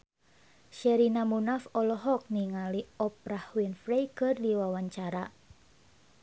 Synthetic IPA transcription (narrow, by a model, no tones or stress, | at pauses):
ʃɛɾinamunafɔlɔɦɔk̚niŋaliɔp̚ɾahwinfɾejkɨrdiwawaɲt͡ʃaɾa